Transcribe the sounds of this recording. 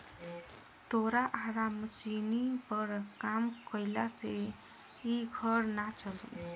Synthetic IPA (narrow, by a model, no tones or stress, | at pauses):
t̪oɾaʔaɾamsinipʌɾkamkʌjlase | iɡʱʌɾnat͡ʃʰʌl